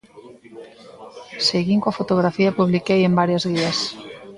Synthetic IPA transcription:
seɣiŋkoafot̪oɣ̞ɾafiɐpuβlikejembaɾjɐzɣiɐs

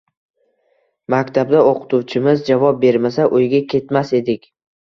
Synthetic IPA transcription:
makʲt̪ʰab̚d̪aoqʰɨ̥t̪uwt͡ʃʰɪmɪzd͡ʒavɒp̚be̞ɾmasaʔojɡʲakʲʰe̞t̪mase̞d̪ɪkʲ

